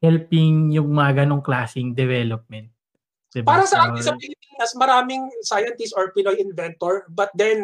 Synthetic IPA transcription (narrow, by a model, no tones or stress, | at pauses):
hɛlpɪŋjʊŋmɐŋɐɡɐno̞ŋklaːsɪŋd̪ɛvɛlop̚mɛnt̪ | d̪̥ɛbpaːɾɐsɐʔaːtɪnsɐŋpɪlɪpiːnɐsmɐɾaːmɪŋsajɐnt̪ɪst̪oɹpɪnojɪnvɛnt̪oɹbɐt̪̚d̪ɛn